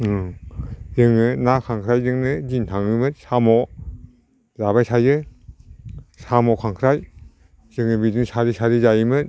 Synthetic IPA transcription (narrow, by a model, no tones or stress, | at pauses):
ɯ | zɯŋɯnakʰaŋkʰɾajzɯŋnɯzint̪ʰaŋɯmɯt̪̚sʰamɔ | zabajsʰajɯ | samɔkʰaŋkʰɾaj | zɯŋɯbidɯŋsʰaɾisʰaɾizajɯmɯt̪̚